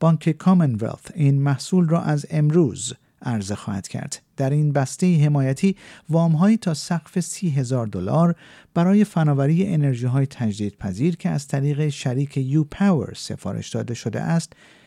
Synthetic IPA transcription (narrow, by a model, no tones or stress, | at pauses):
b̥ɒːŋkʰekʰɒmenvḛlt̪iːnmæhsuːlrɒːʔæze̞mɾuːz | æɾzexɒːhæ̰d̪̥cʰæ̰ɾd̪̥d̪̥æɾiːnbæst̪e̞iɦe̞mɒːjæt̪ʰiːvɒːmɦɒːiːt̪ʰɒːsæɡfe̞siːɦe̞zɒːɾd̪olɒːɾ | b̥æɾɒːje̞fænɒːvæɾiːjeʔene̞ɾʒiːɦɒːjet̪ʰæd͡ʒd̪iːd̪̥̚pʰæziːɾkʰeæzt̪ʰæɾiːɣe̞ʃæɾiːkʰe̞juːpʰæwḛɾse̞̰fɒ̰ːɾḛʃd̪ɒ̰ːd̪e̞ʃod̪ḛʔæst̪